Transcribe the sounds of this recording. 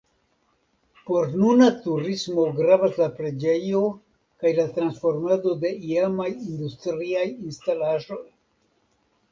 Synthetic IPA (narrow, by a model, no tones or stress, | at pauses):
po̞ɾnunatuɾismo̞ɡɾavaslapɾe̞d͡ʒe̞jo̞ | kajlatɾansfo̞ɾmado̞de̞iamajind̪ustɾiajinstalaʒo̞j